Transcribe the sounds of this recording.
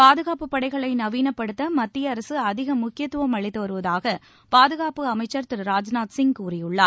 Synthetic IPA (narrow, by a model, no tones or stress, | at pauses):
paːðɯɣaːpɯpːɐɽɐɪɣɐɭɐɪnɐʋiːnɐpːɐɽɯt̪ːɐmɐt̪ːɪjɐːɾɐsɯɐðɪɣɐmʊkːɪjɐt̪ːʊʋɐmɐɭɪt̪ːɯʋɐɾɯʋɐðaːɣɐ | paːðɯɣaːpɯɐmɐɪt͡ʃːɐɾt̪ɪɾɾaːd͡ʒnaːt̪sɪŋɡkuːrɪjɯɭːaːɾ